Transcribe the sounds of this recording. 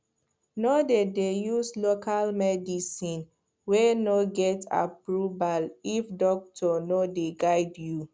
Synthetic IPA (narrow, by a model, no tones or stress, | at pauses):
nodedejuslokʰalmɛdisĩn | wɛnoɡɛta̰pɹubalifdɔk̚tʰɔnodeɡaɪdju